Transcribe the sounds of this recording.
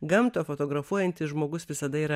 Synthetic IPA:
ɡɐmt̪oːfoːt̪oːɡɾɐfuɔjɛnʲt̪ʲɪsʒmoːɡʊsʋʲɪsɐd̪ɐiːɾɐ

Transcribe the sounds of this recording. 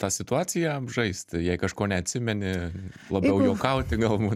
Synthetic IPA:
t̪ɑːsʲɪt̪ʊɑːt͡sʲɪjɛbʒɐɪsʲt̪ʲjɛɪkɐʃkoːnʲɛɐt̪ʲsʲɪmʲɛnʲɪlˠɐbʲɛʊjoːkɐʊt̪ʲɪɡɐlˠbuːt

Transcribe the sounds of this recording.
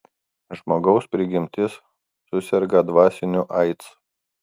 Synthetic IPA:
ʒmoːɡɒʊspʲɾʲɪɡʲɪmʲt̪ʲɪsː | ʊsʲɛɾɡɐd̪ʋɑːsʲɪnʲʊʔɐɪt̪s

